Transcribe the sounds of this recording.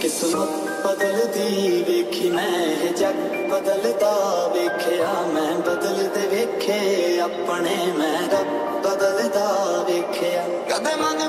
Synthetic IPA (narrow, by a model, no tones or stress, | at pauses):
kɪsʊnũ | bəd̪əld̪iːʋeːkʰiːmɛ̃ːɦed͡ʒək | bəd̪əld̪aːʋeːkʰeːjaːmɛ̃ːbəd̪əld̪eʋeːkʰeːap | nemɛ̃ːɾə | bəd̪əld̪aːʋeːkʰeːaː | kəd̪emãːn